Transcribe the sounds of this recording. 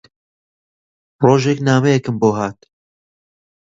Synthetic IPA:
roːʒeknaːmɛjɛkɨmboːɦaːt̪

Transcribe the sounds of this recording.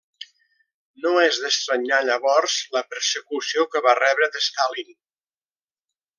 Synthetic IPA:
noɛzðəst̪ɾəɲaʎəβɔrzləpəɾsəkusiokəβarɛβɾəðəst̪alin

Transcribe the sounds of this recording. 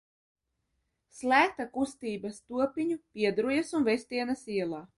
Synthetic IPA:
slˠæːk̚t̪akust̪iːbɐst̪uɔpiɲupʲiɛd̪ɾujɐsunvɛsʲt̪iɛnɐsiɛlˠaː

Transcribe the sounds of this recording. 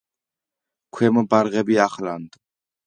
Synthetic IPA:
kʰwɛmɔbaɾɣɛbiaχland̪

